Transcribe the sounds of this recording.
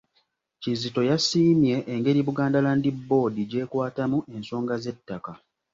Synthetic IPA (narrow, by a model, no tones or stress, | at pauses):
cizito̞jasiːmje̞ʔːŋɡe̞ɾiβuɡaːndalandibːo̞ːdiɟe̞ːkwaːtamuʔe̞nso̞ːŋɡaze̞tːaka